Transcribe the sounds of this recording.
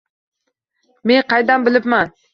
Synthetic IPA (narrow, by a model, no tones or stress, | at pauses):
meŋqɑjd̪ambɪlɪpman